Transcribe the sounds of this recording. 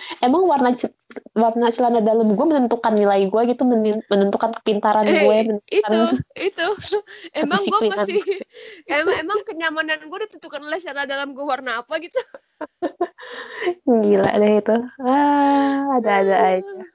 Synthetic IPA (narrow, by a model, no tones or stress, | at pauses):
emaŋwarna | warnat͡ʃəlanadalamɡuamənənt̪ukanːilaiɡuaɡit̪uməmənənt̪ukankə̥pint̪aɾanɡuaamənətikanit̪ueəmaiŋsiɡuklimanan | emaŋemaŋkəɲamananɡuadat̪ənt̪ukanlaht͡ʃanadalamɡuawarnaːpaɡit̪u | ɡila̰dahit̪uaː | daːdaːa